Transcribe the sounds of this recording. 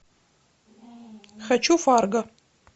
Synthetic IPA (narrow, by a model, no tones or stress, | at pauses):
xʲɐt͡ʃʰufaːrɡɐ